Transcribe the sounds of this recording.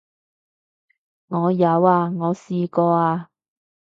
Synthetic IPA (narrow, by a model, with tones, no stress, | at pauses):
ŋɔː˨˧jɐ˨˧waː˧ŋɔː˨˧siː˧kɔː˧aː˧